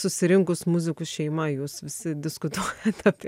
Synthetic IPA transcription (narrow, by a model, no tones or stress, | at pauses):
sʊsʲɪɾʲɪŋkʊsmʊzʲɪkʊsʃʲɛɪmɐjuːsʋʲɪsʲɪd̪ʲɪskʊt̪uɔjɛt̪ʲɐpʲ